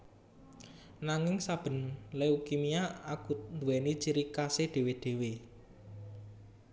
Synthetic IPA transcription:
naŋɪŋsab̥ə̤nleukimiaakut̪̚nd̪uwɛnit͡ʃiɾikased̪̥e̤wed̪̥e̤we

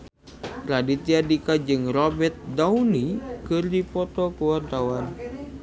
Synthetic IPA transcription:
ɾadit̪iadikad͡ʒɨŋrɔbɛrt̪̚daunikɨrdipɔt̪ɔkuwart̪awan

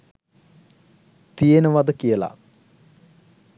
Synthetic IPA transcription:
t̪ijenəʋad̪əkijəla̰

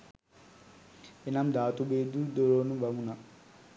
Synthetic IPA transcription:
inamd̪aːt̪ubeːd̪ud̪oɾoːnuʋɐmuna

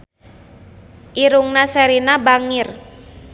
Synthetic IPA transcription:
ʔiɾuŋnasɛɾinabaŋɪr

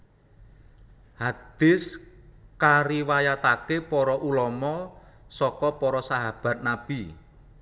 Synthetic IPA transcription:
had̪̥ɪskaɾiwajat̪akepɔɾɔʔulɔmɔsɔkɔpɔɾɔsaɦab̥a̤t̪̚nab̥i

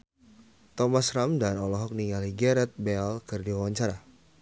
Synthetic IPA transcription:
t̪ɔmasɾamdanɔlɔɦɔk̚niŋaliɡɛɾɛt̪̚bɛalkɨrdiwawaɲt͡ʃaɾa

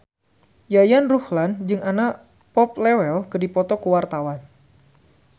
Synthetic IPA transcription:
jajanruhland͡ʒɨŋana | pɔp̚lɛwɛlkədipɔt̪ɔkəwart̪awan

